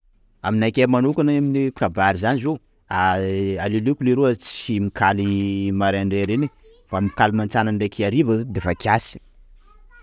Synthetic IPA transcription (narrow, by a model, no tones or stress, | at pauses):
aminajkʲemanukaneminikkabaɾizanizo | aalilukuliɾuət͡simikʰalimaɾaaɳɖ͡ʐeɾeni | famikalimant͡sananɖ͡ʐekʰiaɾibəd̪efakʰjasi̥